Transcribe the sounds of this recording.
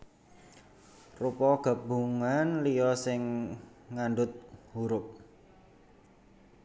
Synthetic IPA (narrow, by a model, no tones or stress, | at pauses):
rupɔɡ̥a̤buŋanlijɔsɪŋː | anɖʊt̪̚huɾʊp̚